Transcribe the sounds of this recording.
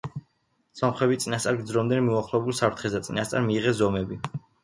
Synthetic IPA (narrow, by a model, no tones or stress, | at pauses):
samχwɛbit̪sʼinast̪sʼaɾɡd̪zɾɔmd̪ɛnmiuaχlˠɔɛbulˠsapʰɾt̪ʰχɛsd̪at̪sʼinast̪sʼaɾmiːʁɛszɔmɛbi